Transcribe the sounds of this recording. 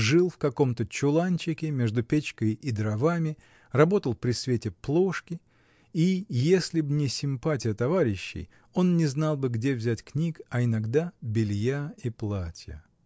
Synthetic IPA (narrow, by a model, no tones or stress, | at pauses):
ʐɨlˠfkɐko̞mt̪ət͡ɕʊlˠanʲt͡ɕɪkʲɪmʲe̞ʐd̪ʊpʲet͡ɕkəjid̪ɾɐvamʲɪ | rɐbo̞t̪əlˠpɾʲɪsvʲetʲɪplˠo̞ʂkʲɪ | ijesʲlʲɪbnʲɪsʲɪmpatʲɪjət̪ɐvaɾʲɪɕːɪ̰j | o̞nnʲɪznɑlˠbɨɡdʲevzʲætʲknʲikɐɪnɐɡd̪abʲɪlʲjaiplˠatʲjə̰